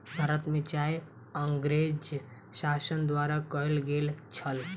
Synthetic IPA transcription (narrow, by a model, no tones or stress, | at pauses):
bʱaːɾət̪mẽt͡ʃaːj | əŋɡɾeːd͡ʒ | ʃaːsənd̪waːɾakəelɡeːlt͡ʃʰəl